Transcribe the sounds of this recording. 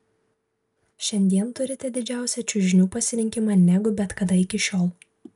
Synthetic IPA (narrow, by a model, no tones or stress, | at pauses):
ʃʲɛnʲd̪ʲiɛnt̪ʊɾʲɪt̪ʲɛd̪ʲɪd͡ʒʲæˑʊsʲɛt͡ʃʲʊʒʲɪnʲuːpɐsʲɪɾʲɪŋʲkʲɪmɑːnʲɛɡʊbʲɛt̪kɐd̪ɐɪkʲɪʃʲoːlˠ